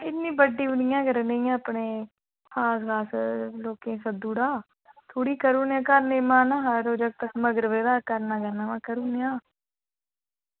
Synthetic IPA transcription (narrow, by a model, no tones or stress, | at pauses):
ɪnnːĩːbəɖːiːbənɪjãːɡəɾneiːãːəpɳeː | xaːsɡaːsloːkẽːsəd̪uːɽaː | t̪ʰoːɽiːkəɾuːnːãːkəɾneːmãːnãːɦəɾoːd͡ʒəɡ̚t̪əkməɡəɾʋeːd̪aːkəɾnaːɡəɾnaːmãːkəɾuːnjãː